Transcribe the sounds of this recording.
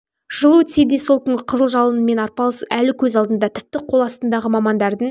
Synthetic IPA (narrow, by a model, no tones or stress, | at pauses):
ʒ̥əlˠəwɵt̪sed̪e̞so̞lˠkʲʏŋɡʲɪqʰəzəlˠʒɑlˠənəme̞nɑɾpɑlˠəsælɪkʲʰɵzɑlˠd̪ənd̪ɑt̪ʰɪ̥p̚t̪ɪqʰo̞lˠɑst̪ənd̪ɑʁəmɑmɑnd̪ɑɾd̪əɴ